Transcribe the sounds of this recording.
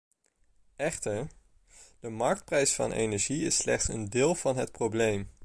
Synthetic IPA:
ɛχtəɹ | d̥əmɑɹk̚t̚prɛjsfɑ̰nʔḛjnɛɹʒiɪ̰slɛ̰χtsə̰ndɪːlˠv̥ɑnɦət̚prowblejm

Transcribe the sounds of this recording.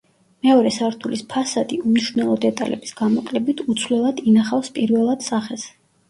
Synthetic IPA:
mɛɔɾɛsaɾt̪ʰulispʰasad̪iumniʃvnɛlˠɔd̪ɛt̪ʼa̰lʔɛ̰bi̥sɡamɔkʼlɛbit̪ʰut̪sʰvlɛlˠad̪inaχafspʼiɾvɛlˠad̪̥saχɛs

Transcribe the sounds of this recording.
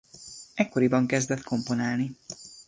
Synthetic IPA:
ɛkːoɾibɒŋkɛzd̪ɛt̪kʰo̞mpo̞naːlni

